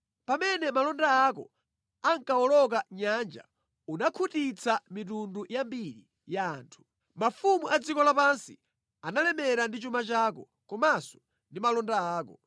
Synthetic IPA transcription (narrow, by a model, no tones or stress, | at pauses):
pamɛnɛmalɔndaːkɔ̰ | aŋkaɔlɔk̬aɲand͡ʒa̰ | unakʰutit͡sʰamit̬undujambiɾi | jaːntʰu̥ | mafumuʔad͡zikɔlapansi | analɛmɛɾandit͡ʃumat͡ʃaːkɔ | kɔmasɔ̥ | ndimalɔndaaːkɔ